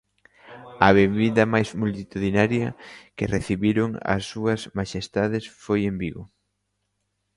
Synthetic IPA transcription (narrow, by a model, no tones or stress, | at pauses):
ɐβeβiðɐmajzmult̪it̪uðinaɾjɐkɪreθiβiɾoŋɐ̰sːuɐsmaʃest̪aðesfojembiɣʊ